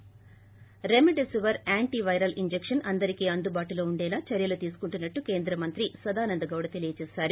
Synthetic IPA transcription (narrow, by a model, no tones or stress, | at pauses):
ɾemeɖesuʋɐɾaːɳʈiʋɐjɾɐlʔiɲd͡ʒekʂɐnʔɐnd̪ɐɾikiːɐnd̪ubaːʈulo̞ːuɳɖɛːlaːt͡ʃɐɾjɐlut̪iːsu̥kuɳʈunːɐʈːuke̞ːnd̪ɾɐmɐnt̪ɾisɐd̪aːnɐnd̪ɐɡɐwɽɐt̪e̞lijɐt͡ʃɛːsaːɾu